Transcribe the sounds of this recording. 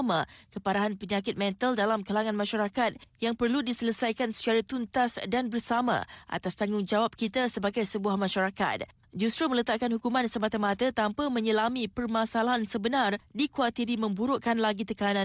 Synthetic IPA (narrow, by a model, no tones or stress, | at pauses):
makəpaɾaɦanpəɲakɪt̪̚mɛ̃nt̪əldalamkəlaŋãnmãʃaɾakat̪̚jaŋpərludisələsajkansə̥t͡ʃaɾat̪unt̪asdanbərsamã̰ʔa̰t̪ast̪aŋɡʊŋd͡ʒawap̚kit̪asəbaɡajsəbuahmãʃaɾaka̰t̪̚ | d͡ʒust̪ɾumə̃lət̪aʔ̚kanhukumãnsəmat̪amat̪ət̪ampamə̃ɲəlamĩpərmasalaɦansəbənardikuwat̪iɾimə̃mbuɾoʔkanlaɡit̪əkanãn